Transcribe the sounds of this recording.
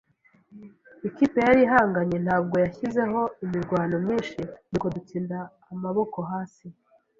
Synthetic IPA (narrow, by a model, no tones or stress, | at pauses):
ikipe̞jaɾiɦaːŋɡaɲe̞n̥haːbɡo̞jaçize̞ɦo̞imiɾɡwaːno̞mɲiːnʃinikodut͡siːndaː | maβo̞ko̞ɦaːsi